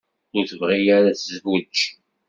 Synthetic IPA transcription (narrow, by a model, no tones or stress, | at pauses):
ʊθəvʁijaɾasəzvut͡ʃː